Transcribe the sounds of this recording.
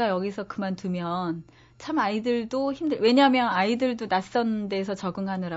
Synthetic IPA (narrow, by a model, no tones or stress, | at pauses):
ajʌɡisʰʌkɯmantumjʌn | t͡ɕʰamaidɯɭdoçimdɯɭwe̞ɲamjʌnaidɯɭdonas͈ʌnɯnde̞ːs̬ʰʌt͡ɕʌɡɯŋɦanɯɾa